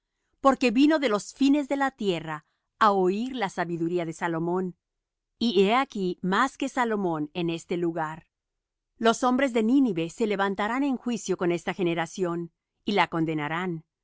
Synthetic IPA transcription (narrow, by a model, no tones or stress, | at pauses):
po̞ɾke̞βino̞ðe̞lo̞sfine̞zðe̞lat̪je̞ra | aoiɾlasaβiðuɾiaðe̞salo̞mõ̞n | ieakimaske̞salo̞mõ̞ne̞ne̞st̪eluɣaɾ | lo̞so̞mbɾe̞zðe̞niniβe̞se̞le̞βant̪aɾane̞ŋxwisjo̞ko̞ne̞st̪axe̞ne̞ɾasjo̞n | ilako̞nd̪e̞naɾan